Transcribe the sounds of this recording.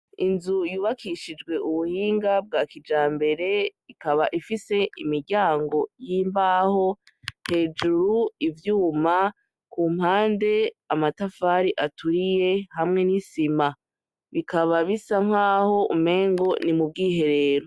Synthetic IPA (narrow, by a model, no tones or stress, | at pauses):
inzujuːβakʰiʃid͡ʒɡwe̞ʔuβuhiːŋɡab̚ɡaːkid͡ʒaːmbe̞ɾe̞ikaβaʔifise̞imiɾɟaːŋɡo̞jiːmbaho̞ | he̞ːd͡ʒuɾuivjuːma | kuːm̥haːnde̞amatafaːɾiʔatuɾije̞hamŋe̞nisima | βikʰaβaβisaŋ̥haːho̞ʔṵme̞ːŋɡo̞nimub̚ɡiːɦe̞ɾe̞ːɾo